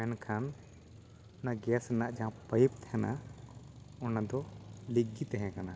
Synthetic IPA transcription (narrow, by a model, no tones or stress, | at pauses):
mɛnkʰan | naɡɛsnaʔd͡ʒaɦãpəjp̚t̪ʰɛna̰ | ɔnad̪ɔliɡit̪ɛɦɛ̃kana